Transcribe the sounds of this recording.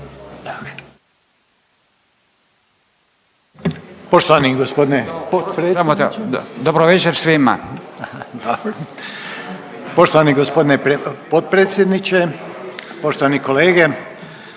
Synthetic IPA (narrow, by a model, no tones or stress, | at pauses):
a | poʃt̪oʋaniɡospod̪inesamot̪d̪obɾoʋet͡ʃeɾsʋima̰ | d̪obɾo | poʃt̪oʋaniɡospod̪ineɾpot̪̚pɾet̪sjed̪nit͡ʃe | poʃt̪oʋanikoleːɡe